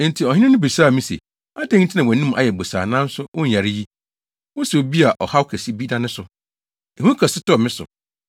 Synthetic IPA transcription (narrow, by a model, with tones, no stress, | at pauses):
n̩˨tʰi˨ɔ˨hɪ̃˦nɪ̃˦nɪ̃˦bi˨saː˦˨mĩ˦sḛ˨ | a˦dɛ̃˦ŋ̩˦tʰɪ˦nã˨wɔ˨nĩ˦m˦ʔa̰˨jɛ˨bo˨sa̰ː˨nãː˦n̩˦sʊ˦ʔo˦˨a˨ɾɪ˦ji˦ | wɔ˦sɛ˨o˨bi˦a˨ʔɔ˨ha˦wo˦kʰɛ˨si˦bi˦nã˦nɪ̃˦sʊ˨ | e˨hũ˦kʰɛ˨sɪ˦tɔ˦˨mɪ̃˦sʊ̰˨